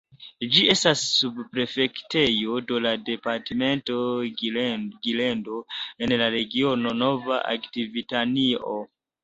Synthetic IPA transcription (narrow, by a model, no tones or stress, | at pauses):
d͡ʒie̞stasːubpɾe̞fe̞kte̞jo̞dolade̞paɾteme̞nto̞ | ɡile̞ndo̞e̞nlaɾe̞ɡio̞no̞no̞va̰ʔa̰ktivitanio